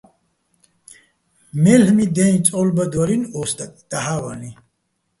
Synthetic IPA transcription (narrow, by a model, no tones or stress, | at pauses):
mɛlhmid̪ɛnĩt͡sʼɔlbad̪waɾinɔst̪ʼatʼd̪̥aɦawani